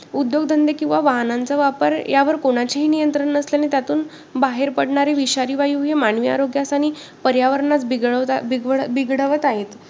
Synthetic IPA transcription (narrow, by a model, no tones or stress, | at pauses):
ud̪joɡd̪ʱənd̪ekĩw̃ʋaʋaɦnant͡saʋapəɾjaʋəɾkoɽ̃at͡ɕeɦiːnijənt̪ɾəɳːəsljanet̪jat̪uːn | baɦeɾpəɽɳaɾeʋiɕaɾiːʋajuːɦemaɳʋia̰ɾoɡjasaɽ̃i | pəɾjaʋəɾɳat͡sbiɡɭ | biɡɽəʋət̪aɦet̪